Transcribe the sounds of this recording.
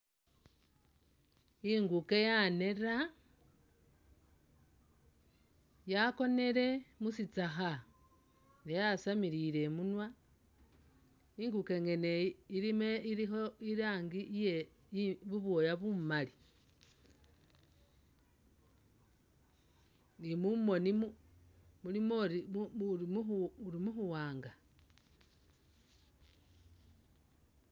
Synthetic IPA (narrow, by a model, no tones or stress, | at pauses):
iːŋɡuke̞jane̞ɾa | jako̞ne̞ɾe̞musit͡saxa | nejasamiɾiɾe̞munwa | iːŋɡuke̞ŋɡeneiɾimeiɾixoiɾaːŋɡije | βuβwojaβumali | nimumo̞nimu | mulimo | imuulimuxuwaːŋɡa